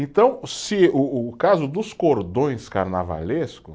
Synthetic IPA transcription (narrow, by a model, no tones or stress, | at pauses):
ẽnt̪ɐ̃w̃sɪʊːkazʊd̪ʊskoɾd̪õj̃skaɾna̰va̰leskʊ